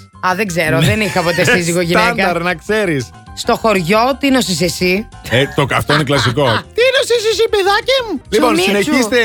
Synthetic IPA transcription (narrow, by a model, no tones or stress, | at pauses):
ɐðe̞ɡze̞ɾo̞ðenixɐpot̪essiziɣo̞ʝinenkɐɐɾnɐkse̞ɾis | st̪o̞xo̞ɾʝo̞t̪inos̬is̬esiet̪oɐft̪oineklɐsikot̪inosisesipeðɐcemuliponsinesist̪e